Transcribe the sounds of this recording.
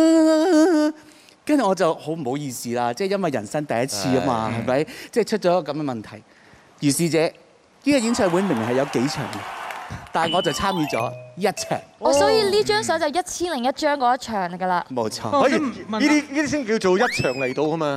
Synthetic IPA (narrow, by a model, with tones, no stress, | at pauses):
kɐ˥ny˨˩ŋɔː˨˧t͡sɐ˨who˨˥m̩˨˩ho˨˥wjiː˧siː˨laː˧t͡sɛː˥˧jɐ˥nwɐ˨jɐ˨˩nsɐ˥ŋt̪ɐ˨jɐ˥t̚t͡sʰiː˧aː˧˥maː˧ɦɐ˨jmɐ˨˥jt͡sɛː˥˩t͡ʃʰɵ˥t̚t͡ʃɔː˨˧˥ɐ˥kɔː˧kɐ˨˥mɡɛ˧mɐ˨˩nt̪ʰɐ˨˩j | jyː˨˩siː˨t͡sɛː˨˧ | niː˥kɔ˧ji˨˥nt͡ʃʰœː˧wu˨˥me˨˩ŋmɪ˨˩ɦɐ˨jɐ˨˧wke˨˥jt͡ʃʰœ̰ː˨˩ŋkɛ˧t̪aː˨˩nŋɔː˨˧t͡sɐ˨wt͡sʰaː˥mjiː˨˧t͡sɔ̰ː˨˥jɐ˥t̚t͡ʃʰœ̰ː˨˩ŋɔ˨˧˥sɔː˨˥jiː˨˧liː˥t͡ʃœː˥ŋsɔː˨˥t͡sɐ˨˧wjɐ˥t̚t͡sʰiː˥nlɪ˨˩ŋjɐ˥t̚t͡ʃœː˥ŋkɔː˨˧jɐ˥t̚t͡ʃʰœː˨˩ŋɡɐ˧laː˧mo˨˧wt͡sʰɔː˧sɔː˨˥ji˨˩iː˥t̪iː˥iː˥d̪iː˥i˥ŋ˨kiː˧wt͡ʃo˨wjɐ˥t̚t͡ʃʰœː˨˩ŋle˨˩jt̪o˧wkɐ˥maː˧